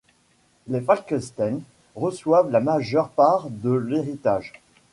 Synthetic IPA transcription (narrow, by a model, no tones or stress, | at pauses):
lefalkɛst̪ɛn | ʁəswavlamaʒœʁpaʁd̪əleʁit̪aʒ